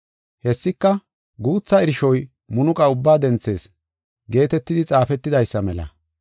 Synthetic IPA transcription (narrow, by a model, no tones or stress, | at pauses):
hɛsːɪkːɐ | ɡuːt͡sːɐɪɾɪʃɔj | mʊnʊkʼɐʊbːaːd̪ɛnt͡sːe̞̰ːs | ɡe̞ːt̪ɛt̪ːɪd̪ɪt͡sʼaːfɛt̪ːɪd̪ɐjsːɐmɛlɐ̰